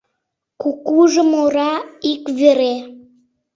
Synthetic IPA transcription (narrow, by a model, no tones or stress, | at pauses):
kukuʒəmoɾɑikβeɾe